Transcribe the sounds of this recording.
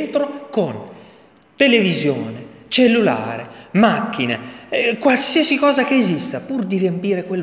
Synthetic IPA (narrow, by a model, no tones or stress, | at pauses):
nt̪ɾokon | t̪elevizjoːne | t͡ʃelːula̰ːɾḛmakːinḛkwalsiːɛsikɔːzakeːzist̪apurd̪irjempiːɾekwel